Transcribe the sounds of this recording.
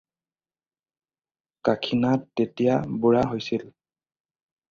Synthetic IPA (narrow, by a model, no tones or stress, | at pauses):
kakʰinatːetijabuɹaɦojsil